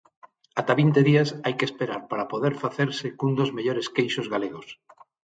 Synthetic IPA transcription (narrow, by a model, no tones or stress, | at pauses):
at̪aβint̪eðiasajkespeɾaɾpaɾapoð̞eɾfaθeɾsekund̪ozmeʎoɾeskejʃozɣaleɣos